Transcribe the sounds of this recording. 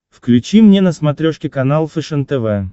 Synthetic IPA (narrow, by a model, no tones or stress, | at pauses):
fklʲʉt͡ɕimnʲenəsmɐt̪ɾʲoʂkʲɪkɐnalˠfɛʂɛnt̪ɛvɛ